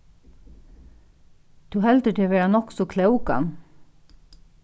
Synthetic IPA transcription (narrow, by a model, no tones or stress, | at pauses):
d̪̥ʉːhɛld̪əʈʰeːʋeːɹanɔksɔkʰlɛʉkɑ̰n